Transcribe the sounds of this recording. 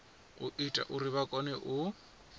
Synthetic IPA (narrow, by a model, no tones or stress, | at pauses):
ʊʔitʼa̰ʔuɾiβakʼɔnɛʔʊ